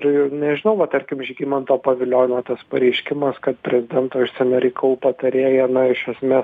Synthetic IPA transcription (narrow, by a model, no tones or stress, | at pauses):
rnʲɛʒʲɪnɐʊʋɐt̪ɐɾʲkʲɪmʒʲɡʲiːmɐnt̪oːpɐʋʲɪlʲoːjɪnoːt̪ɐspɐɾʲɛɪʃʲkʲɪmɐskɐt̪pʲɾʲɛzʲɪd̪ʲɛnt̪oːɪʃsʲɛnʲɛɾʲɛɪkɐlˠuːpɐt̪ɐɾʲeːjɛnɐɪʃɐsʲmʲeːs